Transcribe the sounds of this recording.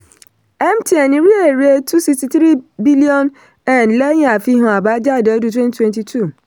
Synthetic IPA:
ɛ̃˦mtʰi˨ɛ˨nɪ̃˨˦ɾi˦e˨ɾe˦tʰu˦si˨ksti˨tɾi˦bi˦li˦ɔ̃˦n | ɛ̃˨nlɛ˦ɲ̃˦a˨fi˦ɦʊ̃˨a˨ba˦d͡ʒa˦˨dɛ˨ɔ˦du˦tʰwɛ̃˦ntʰwɛ̃˨nti˨tʰu˦˨

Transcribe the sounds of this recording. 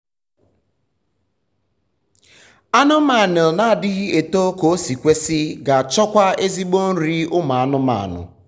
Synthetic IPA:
a˦nʊ˦ma˨nɪ˨lna˨a˨dɪ˦ɣɪ˦e˨to˦ko˨˦si˨kʷe˦sɪ˦ɡa˨t͡ʃɔ˦kʷa˦e˦zi˦ɡ͡bo˦n̩˦ɾi˦ʊ˦ma˨a˦nʊ˦ma̰˨nʊ̰˨

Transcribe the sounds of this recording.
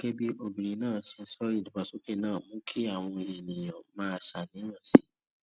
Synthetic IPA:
ke˦bi˦ʔo˨bĩ˨ɾ̃ĩ˨˦nãː˦˨si˧n̩˦sɔ˦i˦˨dũ˨ba˨su˨˦ke˦nãː˦˨mũ˦kʰi˦a˦˨w̃ɔ̃˧e˨nĩ˨j̃ã˨mãː˦˧ʃa˨nĩ˨˦ɾã˦˨si˨˦

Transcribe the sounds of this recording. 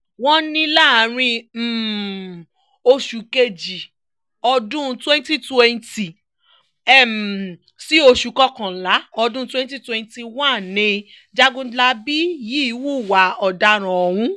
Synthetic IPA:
wɔ̃˦nĩ˧la˦˨˦ɾ̃ĩ˧m̩˨ | o˧ʃu˨ke˧d͡ʒi˨ | ɔ˧dũ˦˧twɛ̃˦n˦ti˦tɛ˧nti˨ | ɛ˦˨m | si˦o˧ʃu˨kɔ˧kã˨la˨˦ɔ˧dũ˦twɛ̃˦n˦ti˦twɛ̃˧nti˧wã˦˨n˨nĩ˧ | d͡ʒa˦ɡũ˦dla˦bi˦ji˨˦i˨˦wu˦˨wa˨˦ɔ˨da˧ɾ̃ã˨ɔ˧˨hũ˦

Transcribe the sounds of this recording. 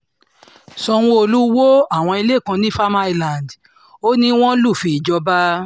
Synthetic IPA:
sɔ˧w̃ɔ̃˧o˧lu˦wo˦a˦˨w̃ɔ̃˧i˧le˦˨kã˧nĩ˦fa˦ma˦i˧˨lã˨nd | o˦nĩ˦w̃ɔ̃˦lu˦˨fi˧i˨d͡ʒɔ˧ba˦

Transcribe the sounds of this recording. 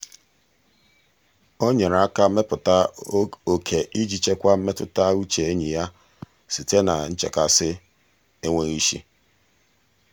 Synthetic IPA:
o˦ɲe˨ɾa˦ka˦me˦pʊ˨ta˦o˨kʰe˨ʔi˦d͡ʒi˨t͡ʃe˦kʷa˦m̩˦me˦tʊ̰˨ta˦u˦t͡ʃe˨e˦ɲi˨ja˦ | si˨te˦na̰˨n̩˦t͡ʃḛ˨ka˨sɪ˦ | e˦ŋʷe˦ɣi˦ʃḭ˦

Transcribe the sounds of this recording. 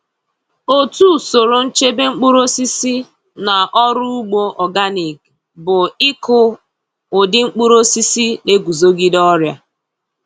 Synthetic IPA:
o˦tu˦˨so˨ɾo˨n̩˦t͡ʃe˦be˦ŋ͡m̩˦k͡pu˦ɾo˦si˦si˦ | na˨ʔɔ˦ɾʊ˦u˦ɡ͡bo˦ʔɔ˨ɡa˦ni˨k | bʊ˨ɪ˦kʊ˦ | ʊ˨dɪ˦ŋ͡m̩˦k͡pu˦ɾo˦si˦si˦le˦ɡu˨zo˦ɡi˦dɔ˦ɾja˦

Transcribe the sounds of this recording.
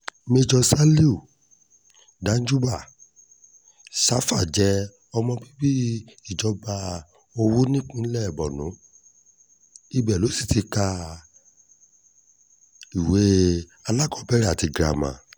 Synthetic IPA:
me˧d͡ʒɔ˧sa˦li˦u˨ | dã˨˦d͡ʒu˦ba˦˨ | sa˦fa˦˨d͡ʒɛ˦ | ɔ˧mɔ̃˧bi˦bi˦i˦˨d͡ʒɔ˨˧ba˧ | o˧wu˦nĩ˦k͡pĩ˦lɛ˦˨bɔ˨nũ˨˦ | i˦bɛ˨lo˨˦si̥˦˨ti˧ka˧ | i˨we˨˦ | a˧la˦˨kɔ˧˦bɛ˦ɾa˦˨ti˧ɡɾa̰˨mã̰˨

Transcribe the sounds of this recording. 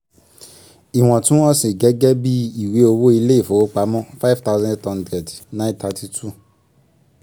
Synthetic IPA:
i˨w̃ɔ̃˨tũ˦ɔ̃˦sĩ˨ɡɛ˦ɡɛ˦bi˦i˦˨we˨˦o˧wo˦i˧le˦i˦˨fo˨˦k͡pa˨˦mɔ̃˦fa˦jvta˦ʊ˦zã˦tɔ̃˦˧n˦dɾɛ˨dnã˦ta˧tʰi˧tʰu˦˨

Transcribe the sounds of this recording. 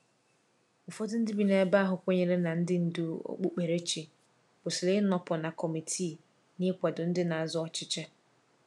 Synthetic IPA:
m̩˨fɔ˦dʊ˦n̩˦dɪ˦bi˨ne˨ba˦ɦʊ˨kʷo˦ɲe˦ɾe˦na˨n̩˦dɪ˦n̩˨du˦o̰˦k͡pu˦k͡pe˨ɾe˦t͡ʃi˨ | b̥ʊ˨si˨le˦nɔ˨pʊ˨na˨kɔ˨mi˨tʰi˦˨ | ni˦e˦kʷa˨dʊ˨n̩˦dɪ˦na˨a˨zʊ˦ɔ˦t͡ʃɪ˦t͡ʃɛ˦

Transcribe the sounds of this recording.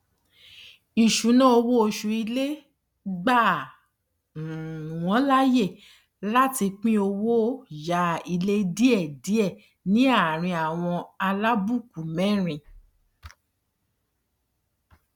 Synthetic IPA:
i˨ʃu˨˦nã˦o˧wo˦o˧ʃu˧i˧le˦ | ɡ͡ba˦˨ | wɔ̃˨˦la˦je˦˨ | la˦ti˧k͡pĩ˦o˧wo˦ja˦i˧le˦di˦ɛ˦˨di˨˦ɛ˦˨ | nĩ˦a˦˨ɾ̃ĩ˧a˨w̃ɔ̃˧a˧la˦bu˦˨ku˨mɛ̃˦ɾ̃ĩ˧

